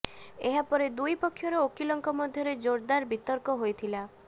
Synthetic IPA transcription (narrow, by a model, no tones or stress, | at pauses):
eɦapɔɾed̪ujpɔkʰːjɔɾɔokilɔŋkɔmɔd̪ʱjɔɾed͡ʒoɾd̪aɾbit̪ɔɾkɔɦojt̪ʰila